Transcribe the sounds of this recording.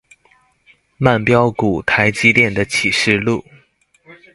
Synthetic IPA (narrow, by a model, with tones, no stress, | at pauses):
ma˥˩npjɑ˥ʊku˨˩t̪ʰa˧˥ɪt͡ɕi˥ljɛ˥˩nd̪ə˩t͡ɕʰi˨˩ʂɻ̩˥˧lu˥˩